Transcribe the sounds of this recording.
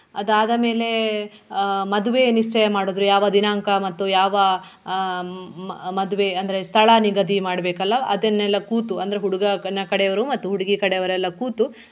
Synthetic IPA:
ɐd̪aːd̪ɐme̞ːle | mɐd̪uʋe̞niʂt͡ʃɐjɐmaːɽoːd̪ɾujaːʋɐd̪inaːŋkɐmɐt̪ːujaːʋɐ | mɐd̪uʋeɐnd̪ɐɾest̪ʰɐɭaniɡɐd̪imaːɽɐbeːkɐlːɐɐd̪enːɛlːɐkuːt̪uɐnd̪ɐɾeɦuɽuɡɐnɐkɐɽɛjɐʋɐɾumɐt̪ːuɦuɽuɡikɐɽɛjɐʋɐɾɛlːɐkuːt̪u

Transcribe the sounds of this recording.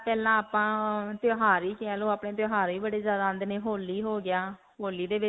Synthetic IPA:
pɛːlãːaːpãːt̪joːɦaːɾiːkɪaːlõːaːpɳeːt̪̬joːɦaːɾiːbəɽeːzjaːd̪aːənd̪neːɦoːliːɦoːɡɪjaː | ɦoːliːd̪eːʋɪ

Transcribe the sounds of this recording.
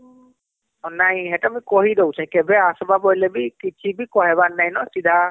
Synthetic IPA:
ɔnaj̃ɦɛtamĩkɔɦid̪ɔwt͡ʃʰãkɛbɛasɔbabɔjlɛbikit͡ʃʰibikɔɦɛβanːajnɔsid̪ʱa

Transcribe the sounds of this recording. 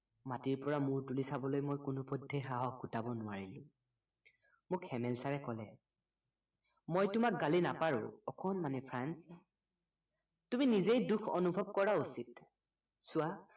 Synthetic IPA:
matiɹpɔɹamʊɹtulisabɔlojmojkʊnupɔdʱːexaɦɔɡutabɔnʊaɹilʊ̰̃ | mʊkɛmɛlsaɹɛkɔlɛ | mojtʊmak̚ɡalinapaɹʊ̰̃ɔkɔnmanɛpʰɹans | tuminizejdukʰɔ̰nubʱɔb̚kɔɹausit | sʊa

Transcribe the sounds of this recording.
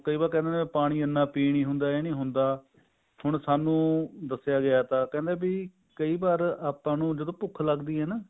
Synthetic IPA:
kəiːbaːɾkɛ̃ːnd̪epaːɽ̃iːənːaːpiːɳĩːɦʊnd̪aːeːnĩːɦʊnd̪aː | hʊɳsaːnũːd̪əsːɪjaːɡɪaːt̪ãːkɛ̃ːnd̪ẽːbiː | kəiːbaːɾaːpːãːnũːd͡ʒəd̪õːpʊkʰləɡd̪iːɦɛːnaː

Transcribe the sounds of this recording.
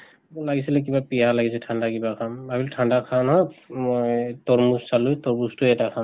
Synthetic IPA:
ɔlaɡisilɛk̬ibapialaɡis̬ɛtʰandakibakʰanbabiltʰandakʰanɦɔjmɔjtɔɹmussalujtɔɹbustʊɛtakʰan

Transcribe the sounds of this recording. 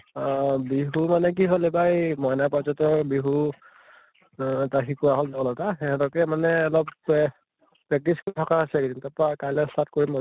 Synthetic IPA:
biɦumanɛk̬iɦolɛbajmɔjnapɔzɔtɔbiɦu | taxikuaɦolzɔɡɔlɔtaxɛɦɛtɔkɛmanɛːlɔb | pɹɛk̚tisktʰɔkaasɛkidintapɔakajlɛstat̚koɹimɔ

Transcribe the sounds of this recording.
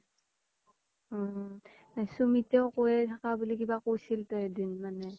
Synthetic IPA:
sumitɛʊkojɛtʰakabulikibakojsiltɔɛdinmanɛ

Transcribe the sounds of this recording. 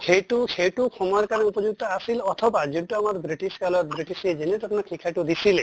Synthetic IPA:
kʰeʈukʰeʈukʰɔmaɾkaɾupɔd͡ʒuɡ̚t̪ɔasilɔt̪ʰɔbad͡ʒuɳʈɔamaɾbɾiʈiskalɔt̪bɾiʈised͡ʒenet̪ɔpʰnɔkʰikʰajʈud̪isile

